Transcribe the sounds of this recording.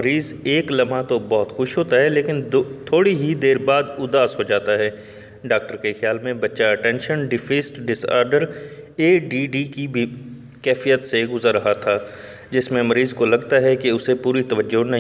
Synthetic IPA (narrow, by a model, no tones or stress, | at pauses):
mɐɾiːzeːklɐmat̪obɔɦʊt̪xʊʃɦoːt̪aɦɛleːkɪnd̪t̪ʰoːɽiɦid̪eːɾbaːd̪ʊd̪aːsɦod͡ʒaːt̪aɦɛː | ɖaːk̚ʈəɾkexjaːlmẽbɐtːʃaɐʈɛ̃ːnʃənɖɪfʰiːsʈɖɪsa̰ːɾɖəɾ | eːɖiɖikibʱ | kɛːfijət̪seɡʊzəɾːɐɦat̪ʰaː | d͡ʒɪsmẽmɐɾiːzkolɐɡt̪aɦɛkeʊsepuːɾit̪ɐʋəd͡ʒːonɐɦĩ